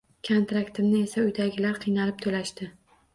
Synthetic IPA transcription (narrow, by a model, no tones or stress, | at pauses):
kʰont̪ɾakt̪ɪmnɪe̞saʊjd̪aɡʲɪlaɾqʰɨjnalɪp̚t̪ʰolaʃt̪ɪ